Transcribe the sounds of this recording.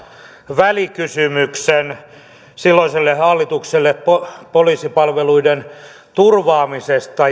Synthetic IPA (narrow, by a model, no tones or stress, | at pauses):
ʋælikysymyksen | silːoiselːehɑlːit̪ukselːeppopoliːsipɑlʋeluiden | t̪urʋɑːmisest̪ɑ